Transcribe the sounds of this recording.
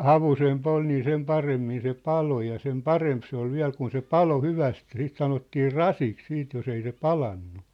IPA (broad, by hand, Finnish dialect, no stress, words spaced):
hɑʋusemp ol niː sem pɑremːin se pɑlo jɑ sem pɑremp se ol ʋiæ̝l kun se pɑlo hyʋæst jɑ siːt sɑnotːiː rɑsiks siːt jos ei se pɑlɑnːu